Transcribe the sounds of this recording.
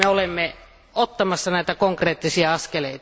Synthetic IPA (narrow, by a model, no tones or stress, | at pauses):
eolemːe | ot̪ːɑmɑsːɑnæˑit̪ækoŋkreːt̪ːisiɑɑskeleˑit̪